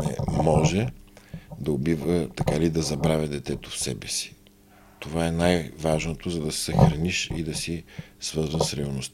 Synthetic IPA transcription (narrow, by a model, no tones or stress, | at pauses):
nɛ̰mɔʒɛ | d̪ɐobivət̪ɐkalid̪ɐzɐbɾavʲɐd̪ɛt̪ɛt̪ofsɛbɛsi̥ | t̪ovaɛnajvaʒnot̪ozɐd̪ɐsɛ̥sɐxɾɐniʃḭd̪ɐsisvɤɾzənsɾɛɐlˠnost̪